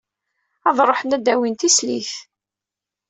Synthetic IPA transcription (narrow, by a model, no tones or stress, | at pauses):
ɑðˤɾˤoħnæd̪æwint̪islḭθ